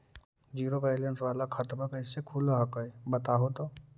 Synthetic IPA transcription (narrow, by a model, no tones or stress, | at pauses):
d͡ʒiːɾopɛːlənsʋaːlakʰɐt̪bəkəːsekʰuːlaɦɐkəebɐt̪aːɦot̪o